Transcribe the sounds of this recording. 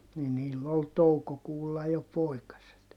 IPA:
ni niːlː ol toukokuːlːɑ jo poikɑset

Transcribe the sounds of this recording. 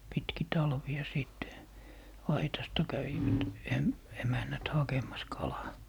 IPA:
pitki tɑlʋiɑ siˑtːe ɑitɑstɑ kæʋiʋæt em emænːæt hɑkemˑɑs kɑlɑː

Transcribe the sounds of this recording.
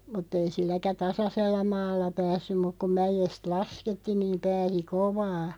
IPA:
mutˑ ei silːækæ tɑsɑselːɑ mɑːlːɑ pæːsːym muk ku mæjest lɑsketːi niːm̆ pæːsi koʋɑː

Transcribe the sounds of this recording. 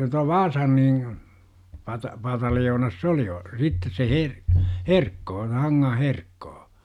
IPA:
tuɑ ʋɑːsɑn niːŋ pɑtɑ pɑtɑljoːnɑs s oli ol sitːes se her herkːoː se hɑŋːɑh herkːoː

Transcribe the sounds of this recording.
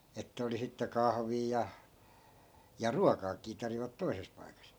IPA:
etːæ̆ oli sitːe kɑhʋiː jɑ jɑ ruɑkɑːkiː tɑrjoʋɑt toises pɑikɑs

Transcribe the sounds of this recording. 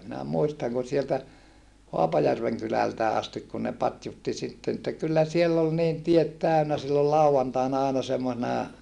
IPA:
minæ muistɑŋ ku sieltæ hoɑpɑjærʋeŋ kylæltæː ɑstik kun ne pɑtjutːi sitːen etːæ kylːæ sielː ol niːn tiet tæˑønæ silːol lɑuɑntɑinɑ ɑinɑ semːosenɑ

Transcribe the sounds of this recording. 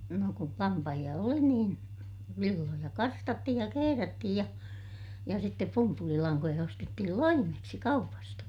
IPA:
no kul lɑmpɑhij̆ɑ oli niːn ʋilːojɑ kɑrstɑtːihij jɑ keherætːihij jɑ jɑ sitːep pumpulilɑŋkojɑ ostetːihil loimeksi kɑupɑstɑ

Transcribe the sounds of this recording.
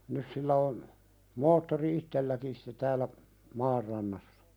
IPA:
nys silːæ on moːtːori itːelːækin sĭ̥tːe tæːlːæ mɑːr rɑnːɑsːɑ̥

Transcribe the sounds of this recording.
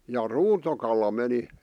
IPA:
jɑ ruːtokɑlɑ meni

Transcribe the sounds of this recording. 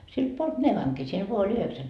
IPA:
silt puolt neʋɑŋki siel ʋoɑ olʲ yheksæŋ

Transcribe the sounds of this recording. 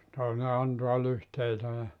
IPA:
toˑine ɑntuɑ lyhteitæ jɑ

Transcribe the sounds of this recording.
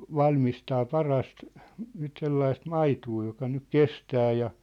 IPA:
ʋɑlmistɑː pɑrɑst nyt selːɑist mɑituː jokɑ nyk kestæː jɑ

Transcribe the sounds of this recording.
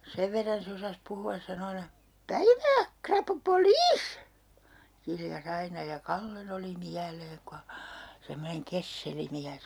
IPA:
seʋ ʋerːɑn se osɑs puhuɑs sɑno ɑinɑ pæiʋæː krɑpupoliːs kiljɑs ɑinɑ jɑ kɑlːen oli miæleːŋ ko hɑ semːoneŋ kesːeli miæs

